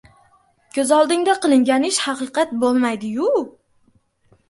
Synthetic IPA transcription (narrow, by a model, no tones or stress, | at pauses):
kʲʰɵzɒlˠd̪ɪŋd̪aqɨlˠɪŋɡʲanɪʃhɑqɨqʰɑt̪̚bolˠmajd̪ɪjʊ